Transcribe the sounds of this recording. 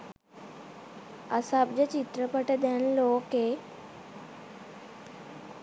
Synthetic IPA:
əsab̚d͡ʑət͡ɕit̪ɾəpəʈed̪enloːke

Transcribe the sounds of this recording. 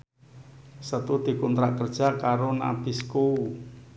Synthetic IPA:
sət̪ud̪̥i̤kɔnt̪ɾaʔkərd̥ʒ̥a̤kaɾona̰b̥iskou

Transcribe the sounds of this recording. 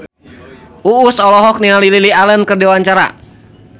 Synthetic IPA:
ʔuːsɔlɔɦɔk̚nialililialənkərdiwaɲt͡ʃaɾa̰

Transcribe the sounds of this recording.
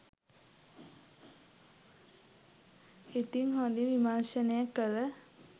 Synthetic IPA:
it̪iŋhõnd̪iʋimanʃənəjakːələ

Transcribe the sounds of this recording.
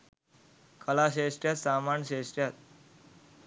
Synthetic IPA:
kəlaɕeʂʈjat̪samaɳɕeʂʈjat̪̚

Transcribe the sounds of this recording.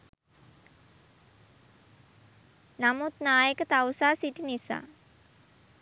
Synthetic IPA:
namut̪naːjəkət̪awsaːsiʈinisa̰ː

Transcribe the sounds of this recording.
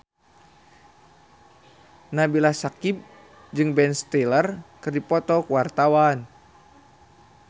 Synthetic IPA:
nabilasakip̚ | d͡ʒɨŋbɛnst̪ɛlərkɨrdipɔt̪ɔkəwart̪awan

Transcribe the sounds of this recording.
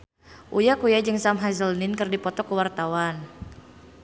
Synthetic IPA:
ʔujakujad͡ʒɨŋsamɦazəlnɪnkərdipɔt̪ɔkəwart̪awan

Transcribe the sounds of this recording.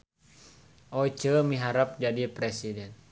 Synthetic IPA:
ʔɔit͡ʃəmiɦaɾap̚d͡ʒadipɾɛsidɛn

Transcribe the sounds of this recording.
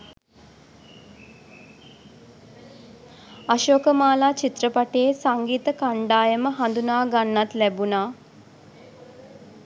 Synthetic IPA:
aʃoːkəmaːlaːt͡ʃit̪rəpaʈeːsaŋɡiːt̪əkaɳɖaːjəməɦand̪unaːɡanːat̪læbunaː

